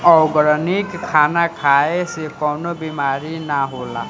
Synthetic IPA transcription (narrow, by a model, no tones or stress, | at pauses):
ɔwɡɾɔnikʰːanakʰaesekɔwnɔbimaɾinaɦola̰